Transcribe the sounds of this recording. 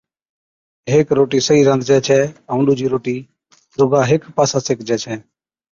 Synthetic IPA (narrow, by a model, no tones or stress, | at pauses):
ɦeːkɾoːʈiːsəiːɾə̃nd̪d͡ʒɛːt͡ʃʰɛːəʊ̃ɳɖuːd͡ʒiːɾoːʈiː | d̪ʊːɡaːɦeːkpaːsaːseːkd͡ʒɛːt͡ʃʰɛː